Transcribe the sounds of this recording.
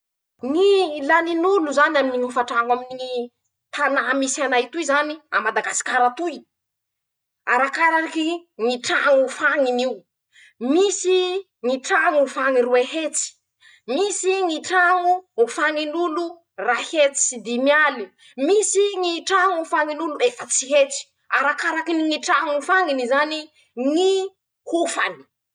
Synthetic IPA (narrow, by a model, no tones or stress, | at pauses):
ŋilaninuluzanaminiŋifaʈ͡ʂaŋamin | t̪anamisanajt̪uizania̰mad̪aɡasi̥kʲaɾat̪uj | aɾakaɾaɾikiŋiʈ͡ʂaŋufaŋiniu | misi | ŋiʈ͡ʂaŋufaŋiruehet͡si̥ | misiŋiʈ͡ʂaŋuːfaŋinulu | rahet͡si̥sid̪imjali | misiŋiʈ͡ʂaŋufaŋinuluefət͡siɦet͡si̥ | aɾakaɾakiniŋiʈ͡ʂaŋufaŋinizani | ŋi | kufani̥